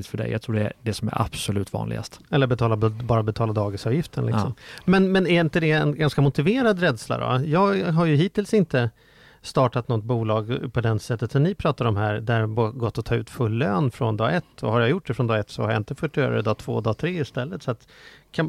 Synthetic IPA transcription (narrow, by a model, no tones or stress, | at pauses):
ɪt̪fœɖɛ̰ja̰ɡt̪ʰɾuːɖɛd̪ɛsɔmæ̰ɾa̰b̥sɔlʉ̟ːt̪vɑ̰ːnlɪ̰ɡa̰st̪ɛlːəɾbɛt̪ʰɑːlabɑːɾabɛt̪ʰɑːlad̪ɑːɡɪsɑːvjɪft̪ənlɪkksɔmmɛnmɛnæɾɪnt̪əd̪ɛɛnɡanskamʊt̪ɪveːɾad̪ɾɛd̪sla̰d̪ɔ̰jɑːɡɦaɾjɵɦiːt̪ɪːlsɪnt̪ə | st̪ɑːʈat̪nɔt̪̚ːbuːlɑːɡpʰɔd̪ɛnsɛt̪ːət̪sɔnnɪpʰɾɑːt̪aɾɔmɦæːɾd̪æɾbɡɔt̪ːɔt̪ʰɑːʉ̟ːt̪fɵlːøːnfɾɔnd̪ɑːɡɛt̪ːɔ̰haɾjajʊʈ̚ːɖɛfɾɔnd̪ɑːɡɛt̪sɔ̰haɾjaɪnt̪əfœʈjœ̰ːɾa̰ɛd̪ɑːt̪ʰv̥o̰ːd̪ɑːt̪ʰɾeːɪst̪ɛlːət̪sɔat̪kʰa